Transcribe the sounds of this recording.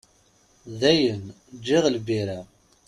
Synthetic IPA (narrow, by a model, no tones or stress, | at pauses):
ðæjən | d͡ʒːɪʁlbiɾæ